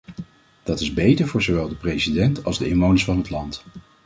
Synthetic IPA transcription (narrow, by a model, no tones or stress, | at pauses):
d̥ɑtɪzbejtəɹvʊːɹzowʋɛlˠdəprejsidɛntɑlˠzdəɪnʋownəsfɑnɦətlɑnt